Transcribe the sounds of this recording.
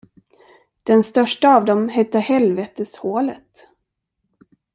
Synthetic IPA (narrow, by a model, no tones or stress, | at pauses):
d̪̥ɛnst̪œʂʈaːvd̪ɔmɦɛt̪ːəhɛlveːt̪əshoːlət̪